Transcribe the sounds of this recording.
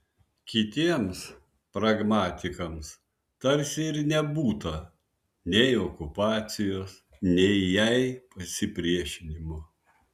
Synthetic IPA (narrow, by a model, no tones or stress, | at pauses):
kʲɪt̪ʲiɛms | pɾɐɡmɑːt̪ʲɪkɐms | t̪ɐɾʲsʲɪɪɾnʲɛbuːt̪ɐ | nʲɛɪɔkʊpɑːt̪sʲɪjoːs | nʲɛɪjɛɪpɐsʲɪpʲɾʲiɛʃʲɪnʲɪmʊ